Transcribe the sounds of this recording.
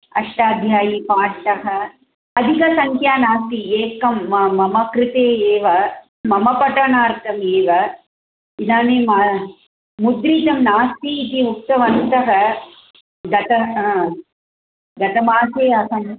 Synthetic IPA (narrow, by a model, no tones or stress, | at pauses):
ɐ̰ʂʈaːd̪ʱjaːjipaːʈt̪ɐɦɐ | ɐd̪ʱikɐsɐŋkʰjaːnaːst̪ieːkɐmːɐmɐkɾɪt̪eːeːʋɐ | mɐmɐpɐʈɐnaːɾt̪ɐmeːʋɐ | inaːnima | mud̪ɾiːt̪ɐmnaːst̪iːt̪iuk̚t̪ɐʋɐnt̪ɐɦɐ | ɡɐt̪ɐ | ɡɐt̪ɐmaːseːɐsɐm